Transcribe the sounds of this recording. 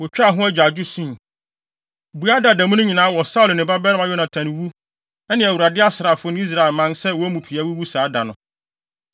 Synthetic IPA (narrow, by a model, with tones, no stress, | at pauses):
wɔ˨t͡ɕᶣa˦˨ɦʊ̃˦æ˦d͡ʑᶣa˨d͡ʑᶣʊ˦sĩ˦˨ | bu˨˦a˦da˨da˨mʊ̃˦nʊ̃˦ɲĩ˨nãː˨˦wɔ˨sa˦ʊ˨lnɪ̃˨ba˦bɛ˦ɾɪ̃˦m˦a˨jɔ˦nã˨tʰã˨nɪ̃˨wu˦ | ɛ˦nɪ̃˨æ˨wu˨ɾa˨dɪ˦a˦sɪ˨ɾa˨fʊ˦ñ˦i˦s̬ɾa˨ɪ˨lmã˦nsɛ˦wɔ˨æ˦mũ˨pʰi˨a˦wu˦wu˦saː˨˦da˨nʊ̰̃˨